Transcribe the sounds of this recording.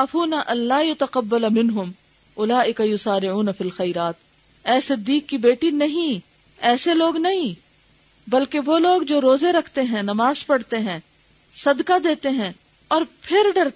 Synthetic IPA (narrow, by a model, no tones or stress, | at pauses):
aːfuːnaʔɐ̃nlaːjʊt̪ɐqɐbːɐlmɪ̃nɦʊm | ʔʊlaːʔɪkajʊsaːɾɪʕuːnɐfilxɐjɾaːt̪̚ | ɛːsɪd̪ːiːkːibeːʈinɐɦĩ | ɛːseloːɡnɐɦĩ | bɐlkeʋoːloːɡd͡ʒoːɾoːzeɾɐkʰt̪eɦɛ̃nɐmaːzpɐɽt̪eɦɛ̃ː | sɐd̪kad̪eːt̪eɦɛ̃ | ɔːɾpʰɪɾɖɐɽt̪